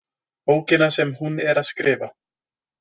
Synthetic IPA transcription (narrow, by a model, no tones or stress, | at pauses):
oːwcɪnasɛmhunɛɾaðskɾɪːva̰